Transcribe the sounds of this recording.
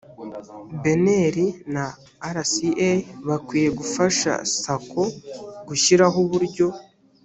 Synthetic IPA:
be̞neɾinaː | ɾasieβakwiːje̞ɡufaʃa̰sakʰoɡuçiɾaɦoβuɾɟo̞

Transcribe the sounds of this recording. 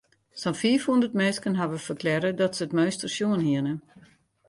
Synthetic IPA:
sɔnfiəfhundərtmeːskənɦaʋəfərklɛɾədɔtsəətmøɥstərsjuənɦiənə

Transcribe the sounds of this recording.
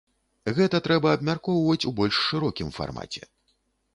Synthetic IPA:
ɣɛt̪ɐt̪ɾɛbɐːbmʲarkɔwvɐt͡sʲubɔlʲʂːɨɾɔkʲimfa̰rma̰t͡sʲɛ̰

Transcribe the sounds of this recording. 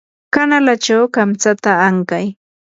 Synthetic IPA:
kanalat͡ʃawkamt͡sat̪aːŋkaj

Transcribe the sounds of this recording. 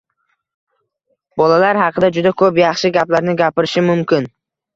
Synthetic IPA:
bɒlalaɾɦɑqʰɨd̪ad͡ʒʊd̪akʰɵpjɑχʃɪɡʲaplaɾnɪɡʲapɪɾɪʃɪmʊmkʲɪn

